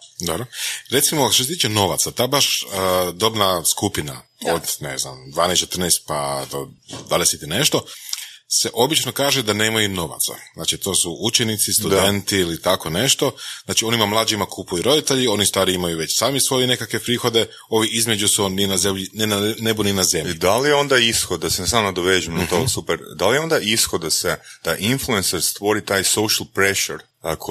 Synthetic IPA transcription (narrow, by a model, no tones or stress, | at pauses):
d̪obɾoɾe̞t̪simoʃt̪os̬et̪iːt͡ʃeno̞ʋa̰t̪sat̪aːbaʃəd̪o̞bnaskupina̰od̪ne̞̰zna̰md̪ʋaːnest͡ʃe̞t̪ərnest̪̚pad̪o̰d̪alesit̪ine̞ʃt̪o̞ | se̞ʔo̞bit͡ʃnokaːʒed̪ane̞ːmajuno̞ʋa̰t̪sa̰z̥naːt͡ʃit̪o̞ːsuʔut͡ʃenit̪sist̪udd̪e̞nt̪iilit̪ako̞ne̞ʃt̪o̞znaːt͡ʃio̞nimamlˠaːd͡ʒimakʰupujuɾo̞d̪it̪e̞ʎio̞nist̪ʋaːɾiimajuʋe̞t͡ɕsaːmisʋo̞jene̞kakʋe̞pɾiːxo̞d̪e̞ | o̞ʋiʔizme̞d͡ʒusuoninazemʎinnebuninaze̞miid̪alijeo̞nd̪aisxod̪̚d̪asensamnad̪oʋeːʒimnat̪oːsupeɾd̪alijeo̞nd̪aʔisxod̪̚d̪ased̪̥aʔinfluenseɾst̪ʋo̞ɾit̪aːjsowʃalˠpɾeʃɛɾ | kʰ